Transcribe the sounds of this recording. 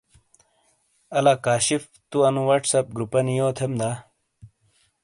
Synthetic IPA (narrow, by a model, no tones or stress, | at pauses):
ɐlakaːɕif | t̪uɐnũwɐʈsɐp̚ɡɾupɐnijoːt̪ʰemd̪a